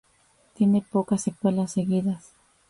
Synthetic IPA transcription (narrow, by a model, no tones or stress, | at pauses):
t̪jenepokasekwe̞lasːeɣiðas